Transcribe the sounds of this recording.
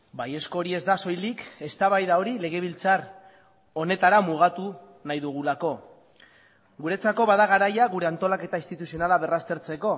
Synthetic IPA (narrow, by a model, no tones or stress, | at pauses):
baje̞sko̞ɾie̞zd̪aso̞jlike̞st̪aβajðao̞ɾile̞ɣ̞e̞β̞ilt͡sar | o̞ne̞t̪aɾamuɣ̞at̪u | najðuɣ̞ulako̞ | ɡuɾe̞t͡sako̞βaðaɣaɾajaɣuɾe̞ant̪o̞lake̞t̪aist̪it̪usionalaβe̞rast̪e̞ɾt͡se̞ko̞